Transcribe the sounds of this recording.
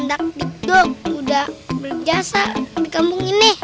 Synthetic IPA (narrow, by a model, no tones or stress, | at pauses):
ndak̚didɔudahbəld͡ʒasadikambuŋinɪh